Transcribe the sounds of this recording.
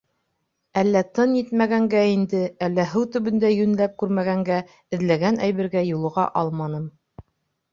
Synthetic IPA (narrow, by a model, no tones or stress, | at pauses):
ælːæt̪ɤnjit̪mæɡæŋɡæind̪ɘælːæɦɘwt̪ɵ̆βɵ̆nd̪æjʉnlæp̚kʉɾmæɣæŋɡæ | ɘ̆ðlæɡænʔæjβɘ̆ɾɡæjulˠɤ̆ʁɑ̰ʔɑlˠmɑnɤm